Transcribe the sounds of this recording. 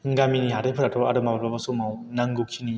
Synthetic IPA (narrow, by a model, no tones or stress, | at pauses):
ɡaminiɦaɾepʰɯɾatʰɔaɾɯmabaɾbabasɔmawnaŋɡukʰini